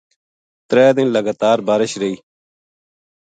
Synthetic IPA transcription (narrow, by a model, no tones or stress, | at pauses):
t̪ɾɛːd̪ɪnləɡaːt̪aːɾbaːɾɪʃɾeiː